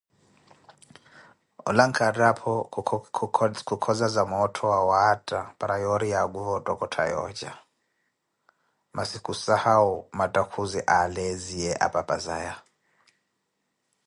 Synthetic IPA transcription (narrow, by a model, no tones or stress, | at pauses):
ɔ̰laŋkʰadapʰɔ | kʰukʰɔzazamɔtʰɔwawatʼapʼɾajɔɾiaɡuvɔtʼɔkʼɔtʰa̰jɔ̰d͡ʒa̰ | masikʼusahaumatʼakʰuziʔaleziɛʔa̰pʼapʼaza̰ja